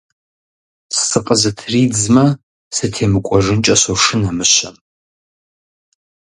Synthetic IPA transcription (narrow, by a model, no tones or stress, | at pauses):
ssɨqʼəzɐtʰriːd͡zmɐ | sɨtʰeːmɨkʷʼɔʐɨnt͡ʃʼɐɕoʂɨnamɨɕɐm